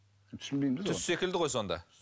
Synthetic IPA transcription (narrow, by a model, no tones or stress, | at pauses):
t̪ʰʏ̥sɪnbejmzʰʏsse̞kʲɪld̪ɪʁo̞jso̞nd̪ɑ̰